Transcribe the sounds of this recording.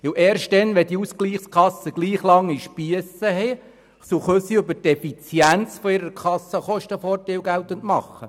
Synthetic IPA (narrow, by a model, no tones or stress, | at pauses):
ɪwʔeːɾʃt̚dɛnʋɛd̥iuskliːχskʰɑsəɡ̥liːχlɑŋːiʃpiəsəɦɛ | soχøsiɵbətɛfit͡sjænt͡sfɔiɾəɾkʰɑsːəχɔʃtəfɔːrteɪwɡæwt̪əntmɑ̰χːə